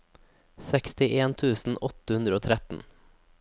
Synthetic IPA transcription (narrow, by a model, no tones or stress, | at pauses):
sɛkst̪ɪʔeːnt̪ʰʉːsn̩ɔt̪əhʉnd̪ɾəoːt̪ʰɾɛt̪n̩